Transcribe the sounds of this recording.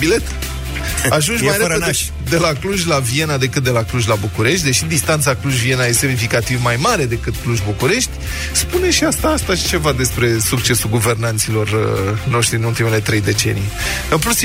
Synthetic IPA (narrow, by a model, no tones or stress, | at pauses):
bile̞t̪ | aʒunʒmaajɾee | d̪elakluʒʲlavie̞nad̪e̞kɨt̪̚d̪e̞lakluʒʲlabukuɾe̞ʃ̬t̪̚ʲd̪e̞ʃid̪ist̪ant̪sakluʒvie̞najesemnifikat̪ivmajmaɾe̞d̪e̞kɨt̪kluʒbukuɾe̞ʃt̪ʲ | spune̞ʃiast̪aːst̪aʃi̥t͡ʃe̞vad̪e̞spɾe̞suk̚t͡ʃe̞sulɡuve̞rnant̪silo̞rno̞ʃt̪ɾiɨnult̪imele̞t̪ɾe̞jd̪e̞t͡ʃe̞̰nḭe | ɨnplut̪s